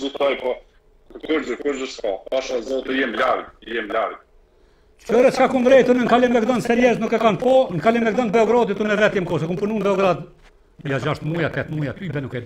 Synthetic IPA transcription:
zut̪ajpɔ | kuɾzəkuɾzəskaaʃazɔt̪əjɛmlaɾjɛmlaɾ | t͡ʃɔɾɛt͡ʃkakunvɾɛjt̪unəŋkalɛmɛkd̪ɔnsɛɾjɛznukɛkanpɔnkalɛmɛk̚d̪ɔnbɛɔɡɾɔd̪it̪unɛvɛt̪jɛmkɔsɛkumpunund̪ɛɔɡɾad̪ | jad͡ʒaʃt̪mujat̪ɛt̪mujat̪ybɛnukɛ

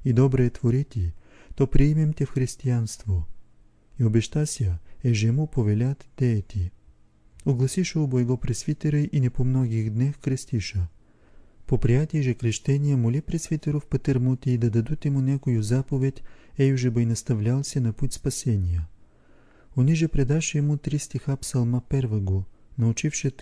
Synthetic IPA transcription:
id̪ɔbɾɛːt̪voɾit̪ʲit̪ɔpɾiɛmɛmt̪ʲɛfxɾist̪ianst̪vo | iobɛʃt̪asʲəɛʒɛmupovɛlʲat̪d̪̥ɛt̪ʲi | oɡlˠɐsiʃoboɛɡɔpɾɛsvit̪ɛɾəʔinɛpomnɔɡʲixd̪nɛfkɾɛst̪iʃə | popɾijat̪iɛʒɛkɾɛʃt̪ɛnʲijəmolʲipɾɛsvit̪ɛɾofpɐt̪ɛɾmut̪ʲiːd̪ɐd̪ɐd̪ut̪ɛmunʲakojʊzapovɛt̪ʲɛjuʒɛbəjnɐst̪ɐvlʲalˠsʲɛnɐput̪ʲspɐsɛnʲijə | oniʒɛpɾɛd̪aʃɛːmut̪ɾist̪ixapsɐlˠmapɛɾvɐɡonɐʊt͡ʃifʃɛ

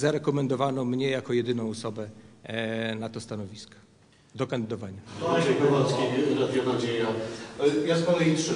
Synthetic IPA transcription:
zaɾɛkɔmɛnd̪ɔvanɔmɲɛjakɔjɛd̪ɘnɔ̃w̃ɔsɔbɛ | nat̪ɔst̪anɔvʲiskɔ̥ | d̪ɔkãnd̪ɘd̪ɔvaɲaɔaɕɛkɔvɔt̪skʲiɾɔd̪ʲjɔɡɔd͡ʑeja | jaspɔlɛitʂ

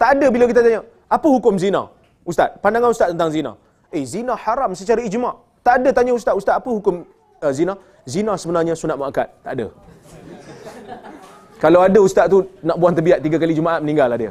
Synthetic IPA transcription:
t̪aʔadəbilak̬it̪at̪aɲa | apəɦukʊmzina̰ | ust̪a̰t̪̚pandaŋanust̪at̪t̪ːənt̪aŋzina̰ | ezinaħaɾamsət͡ʃaɾaid͡ʒmaʔ | t̪aʔdət̪aɲaust̪at̪ust̪at̪apəɦukʊm | zina | zinãsəbənarɲasunat̪maaka̰t̪̚t̪ːaʔadə̰ | kalawadəust̪at̪̚t̪unaʔbuant̪əbiaʔt̪iɡakalid͡ʒumaʔat̪̚mənĩŋɡalahdiə̰

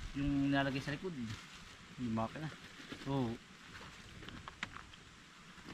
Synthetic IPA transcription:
jʊŋnɪaːlɐɡajsɐlɪkod̪̚ | lʊmaːkɪnaʔoː

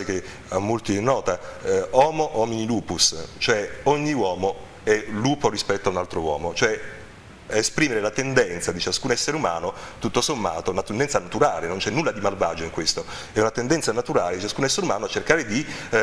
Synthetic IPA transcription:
eke | amːolt̪inːɔːt̪aɔːmoʔɔminiluːpust͡ʃoɛoɲːiwɔːmo | ɛluːpoɾispɛt̪ːoaunalt̪ɾowɔːmot͡ʃoɛ | espɾiːmeɾelat̪end̪ɛnt̪sad̪it͡ʃaskuːnɛsːeɾeumaːnot̪ut̪ːosomːa̰ːt̪ounat̪end̪ɛnt̪sanat̪uɾaːlenont͡ʃɛnːulːad̪imalva̰ːd͡ʒoiŋkwest̪o | ɛunat̪end̪ɛnt̪sanat̪uɾaːled̪it͡ʃaskuːnɛsːeɾumaːnoat͡ʃːerkaːɾed̪i

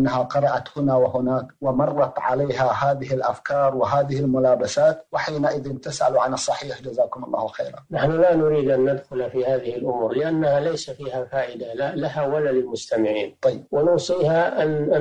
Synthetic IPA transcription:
nːaɦaqɑɾˤɑʔat̪hʊnawɪhʊnaːkwɪmɑrˤːɑt̪ʕa̰leːɦahaːðɪɦɪlʔafkɑːɾˤwɪɦaːðɪhɪlmʊlaːbasaːt̪wɪħiːnaʔɪðɪnt̪ɪsʔa̰luʕanɨsˤːɑħiːħd͡ʒazaːkʊmɑ̰lˤːɑ̰ːhlxḛːɾanaħnʊlanʊɾiːd̪ʔanːad̪xʊlafiːhaːðɪhɪlʔʊmuːɾlɪʔanːahalajsafiːhafaːʔɪd̪alalahawalalɪlmʊst̪amɪʕiːnt̪ˤɑjːɪbwɪnʊwsˤiːhaʔan

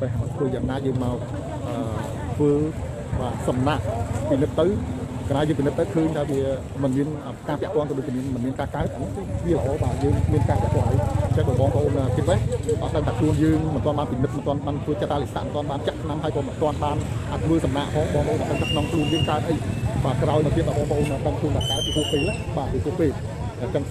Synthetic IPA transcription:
pəɦat̪ʰʋəːjaːŋnaːjəːŋmaɔ | ʔəː | t̪ʰʋəː | ɓaːsɑmnaʔpinɨt̪̚ːɨw | kanaːjəːŋpinɨt̪̚ːəwkʰəːɲt̪ʰaːʋiə | mɨnmiənʔəkaːpɛ̆əʔpŏənt̪ɔɗoːc̚t͡ɕiəmiənmɨnmiənkaːkaət̪̚ʔanɨŋkɨʋiələʔɑːɓaːjəːŋmiənkaːpɛəʔpoənʔəjɲt͡ɕaŋɓɨːɓɑːŋpə̰̆ʔoːnʔəːkit̪̚ʋəhɔ̰t̪t̪ːəŋt̪ʰaːkʰluənjəːŋmɨnt̪ŏənɓaːnpinɨt̪̚mənt̪ŏənɓaːnt̪ʰʋət͡ɕət̪ːaːlisa̰ʔmənt̪oənɓaːnt͡ɕaʔsʰnamɦəjkɔːmɨnt̪ŏənɓaːnʔat̪ʰʋəːsɑmnaːʔpʰɑːŋɓɑːŋpəʔoːnʔasəŋt̪ʰaːkʰnoŋkʰluənjəːŋkaət̪ʔəjɓaːkraɔjmət̪iət̪ɓəɓɑːŋpə̆ʔoːnəːɗəŋkʰluənt̪aːkaət̪̚pipuəhpeːla | ɓaːɗipʰuəhpeːl | ʔət͡ɕəŋ

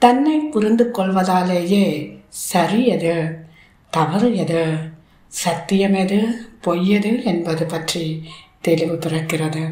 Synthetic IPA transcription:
t̪ɐnːɐɪpːʊɾɪnd̪ɯkːɔɭʋɐðaːleːjeːsɐɾɪjɐðɯ | t̪ɐʋɐɾɪjɐðɯ | sɐk̚t̪ːɪjɐmeðɯpojːɐðɯɛnbɐðɯpɐʈrit̪ɛlɪʋɯpɪrɐkːɪrɐðɯ

